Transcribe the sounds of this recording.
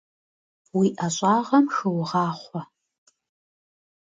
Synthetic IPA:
wiːʔɐɕʼɑːʁɐmxɨwʊʁɑːχʷɔ

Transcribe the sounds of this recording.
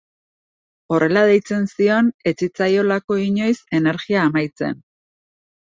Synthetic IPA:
o̞re̞lað̞e̞jt͡se̞nsio̞ne̞t͡sit͡sajo̞lako̞iɲo̞jse̞ne̞ɾɣiaːmajt͡se̞̰n

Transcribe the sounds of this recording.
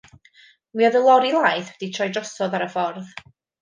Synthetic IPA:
mwiaðəlˠɔɾilˠaːjθɛd̥itʰrɔjdrɔsɔðaɾəfɔrð

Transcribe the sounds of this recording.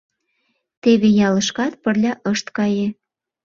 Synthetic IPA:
t̪eβejɑlə̆ʃkɑt̪̚pə̆rlʲɑʔəʃt̪kɑjĕ

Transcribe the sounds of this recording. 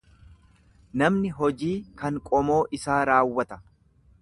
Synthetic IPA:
nɐmnɪɦɔd͡ʒiːkɐŋkʼɔmo̞ːʔɪsaːɾaːwːɐt̪ɐ̥

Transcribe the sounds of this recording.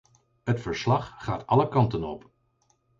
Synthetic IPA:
ɦətfəɹslɑχχaːtɑləkɑntənɔ̰p

